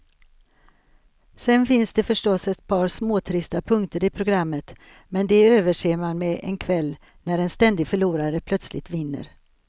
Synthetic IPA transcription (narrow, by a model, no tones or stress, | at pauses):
sɛnfɪnsd̪ɛfœʂʈɔsɛt̪̚pʰɑːɾsmoːt̪ʰɾɪst̪apʰɵŋkt̪əɾɪpʰɾʊɡɾamːət̪ | mɛnd̪ɛøːvəʂeːmanmɛʔɛ̰nkʰvɛlː | næɾɛnst̪ɛnd̪ɪɡfœɭuːɾaɾəpʰlœt̪slɪ̰t̪vɪnːə̰ɾ